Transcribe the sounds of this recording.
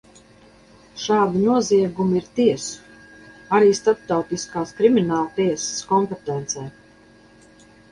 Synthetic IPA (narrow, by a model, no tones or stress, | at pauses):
ʃaːd̪inuɔziɛɡumiɾt̪iɛsu̥aɾiːst̪ap̚t̪awt̪iskaːskɾiminaːlˠt̪iɛsskɔmpɛt̪ɛnt̪sɛj